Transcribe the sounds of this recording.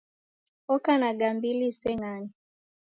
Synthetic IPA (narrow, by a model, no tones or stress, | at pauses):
ɔkanaɡambilisɛŋani